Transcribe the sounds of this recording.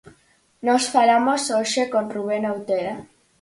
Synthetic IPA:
nosfalamosoʃekonruβ̞enawt̪eɾa

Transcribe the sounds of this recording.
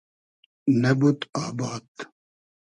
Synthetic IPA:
nebut̪aːbaːt̪

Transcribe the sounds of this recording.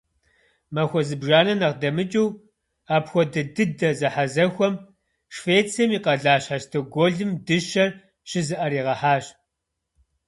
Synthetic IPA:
mɐxʷɔzɨbʒaːnɐnɐʁdɐmɨt͡ʃʼiw | aːpxʷɔdɐdɨdɐzɐħazɐxʷɔm | ʂfeːt͡sʰɐmiːqɐɮaːɕħaʃtʰɐɡʷoɮɨmdɨʃɐr | ɕɪzɨʔɐɾiːʁɐħaːɕ

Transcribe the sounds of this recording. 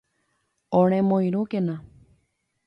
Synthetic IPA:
õɾ̃ẽmõij̃ɾũkenã

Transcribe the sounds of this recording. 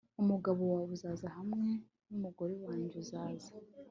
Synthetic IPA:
umuɡaβowaβuzaːzahamŋe̞ | numuɡoɾewaːɲɟuzaːza

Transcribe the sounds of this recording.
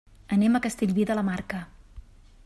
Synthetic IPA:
əneməkəst̪eʎβiðələmarkə

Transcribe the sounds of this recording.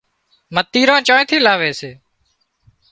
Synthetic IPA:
mət̪ːiːɾãːt͡ʃãːẽt̪ʰiːlaːʋeːseː

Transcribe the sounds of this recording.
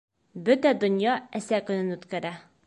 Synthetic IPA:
bɵt̪æd̪ŏnjɑæsækɵ̆nɘnʉt̪kæɾæ

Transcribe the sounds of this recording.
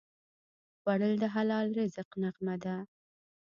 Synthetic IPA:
waɽəld̪əɦalɑlɾezəqnaqmad̪a

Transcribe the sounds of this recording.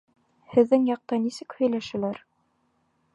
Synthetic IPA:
hɘ̆ðːɘŋjɑq̚t̪ɑnisɘkhɵ̆jlæʃɘ̆læɾ

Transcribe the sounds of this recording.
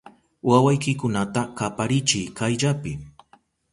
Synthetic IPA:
wawajkɪkʊnat̪akapaɾɪt͡ʃɪjkajʎapɪ

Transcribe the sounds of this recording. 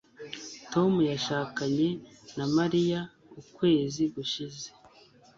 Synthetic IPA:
to̞mujaʃaːkaɲe̞namaɾija | ukwe̞ːziɡuʃize̥

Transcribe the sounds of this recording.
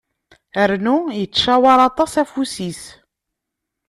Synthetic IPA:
əɾnujət͡sːʃæwɑɾˤɑt̪ˤɑsæfusis

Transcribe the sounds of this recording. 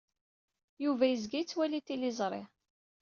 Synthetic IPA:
juvæjəzɡijt͡sːwælit̪ilɪzˤɾˤɪ̰

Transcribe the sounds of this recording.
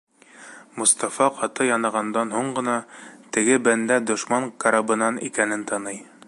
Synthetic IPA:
mŏst̪ɑfɑqɑt̪ɤjɑnɤ̆ʁɑnd̪ɑnɦuɴɢɤ̆nɑt̪ɘ̆ɡɘbænd̪æd̪ŏʃmɑŋkɑɾɑbɤ̆nɑnikænɘnt̪ʰɑnɤj

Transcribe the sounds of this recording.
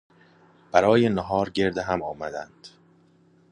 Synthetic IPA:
b̥æɾɒːjenɒɦɒːɾɟe̞ɾd̪eɦæmɒːmæd̪ænd̪̥

